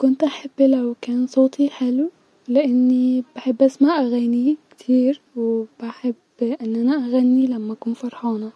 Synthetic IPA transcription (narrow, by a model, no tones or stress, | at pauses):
kʊnt̪ʔaħabːlawkæːnsˤoːt̪ʰˤiħalu | lɪʔɪnːibaħebːʔasmaʔaɣanikt̪ʰiːɾwɪbaħeb | ʔɪnːʔanaʔaɣanːilamːaʔakuːnfɑɾˤħɑːnɑ